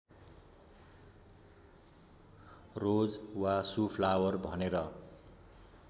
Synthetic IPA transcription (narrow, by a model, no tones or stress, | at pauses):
rod͡zwasupʰlawʌrbʱʌneɾʌ